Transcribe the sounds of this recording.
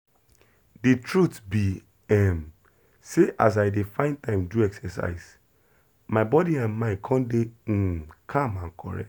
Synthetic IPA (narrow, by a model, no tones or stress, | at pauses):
ditɹutbi | ɛm | seʔa̰s̬aɪdefãɪ̃ntãɪ̃mduɛksɛsa̰ɪs | maɪbɔdiãnmãɪ̃kʰɔ̃nde | kʰãmãnkʰɔ̰ɹɛ̰